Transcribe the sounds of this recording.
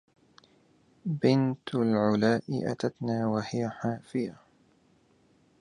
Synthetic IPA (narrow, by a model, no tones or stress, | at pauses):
bɪnt̪lʕʊlaːʔɪ̰ʔa̰t̪at̪naːwahɪjaħaːfɪja